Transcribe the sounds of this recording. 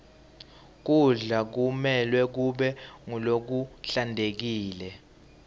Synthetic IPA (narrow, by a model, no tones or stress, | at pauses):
k̬uɮak̬umɛlwɛk̬uɓɛŋulok̬uɬandʱek̬iːlɛ